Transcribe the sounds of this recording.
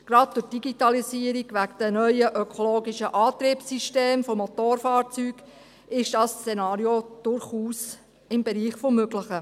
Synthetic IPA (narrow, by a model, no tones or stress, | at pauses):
ɡ̥ɾɑd̚d̥ʊɾd̥iɡitɑlisiːəɾiɡʋækd̥ənœʏəʔøkʰoloːɡiʃəʔɑːt̪ɾiːpsiʃteːmfomot̪oːɾfɑːɾt͡syːɡ | ɪʃd̥ɑst͡senɑːɾjod̥ʊɾχuːs | ɪmbɛɾiːχfomːøɡlɪχə